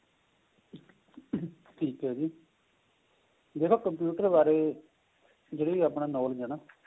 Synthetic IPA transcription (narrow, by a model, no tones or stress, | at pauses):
ʈʰiːkɦɛːd͡ʒiː | d̪eːkʰoːkəmpjuːʈəɾbaːɾeː | d͡ʒeːɽeːiːaːpnãːnɔːld͡ʒaːnaː